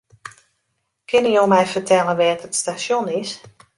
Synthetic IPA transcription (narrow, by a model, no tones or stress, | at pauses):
kʰɪnəjomɛjfərtʰɛlˠənʋɛːtətstasjonɪs